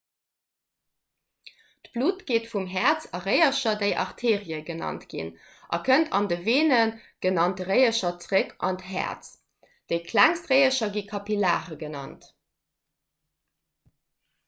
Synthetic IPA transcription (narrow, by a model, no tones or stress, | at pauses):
tb̥luːtɡ̥eːtfumɦæt͡sɑʁəɪɐʃɐdeɪʔɑ̰ʁtʰeːʁiəɡənɑ̰ntɡ̥ḭn | ʔɑ̰kʰəntʰɑ̰ndəveːnənɡ̥ənɑnt̚əʁəɪəʃɐt͡sʁəkʰʔɑ̰ntɦæ̰ɐt͡s | d̥eɪkʰlæŋstʁəɪəʃɐɡikʰɑpila̰ːʁəɡənɑ̰nt